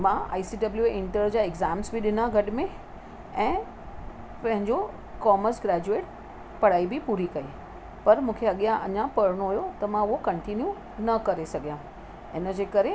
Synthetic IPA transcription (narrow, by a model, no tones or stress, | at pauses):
mãa̰ːisiɖɐbljueʔɪ̃ɳʈəɾd͡ʑaːeɡzaːmsbʱiɗɪnãɡʱɐʈɪmẽ | ɛ̃ː | pɐ̃ɦɪ̃ɲd͡ʑo | kɔːməɾsɡɾɛːd͡ʑueːʈ̚ | pɐɽ̤aːibɪpuːɾikɐi | pɐɾmũːkʰeɐɠijãʔɐɲãpɐɾɽ̃oɦʊjot̪ɐmãʊɦokɐ̃ɳʈinju | nɐkɐɾesɐɡʱijã | ɪnəd͡ʑeːkɐɾe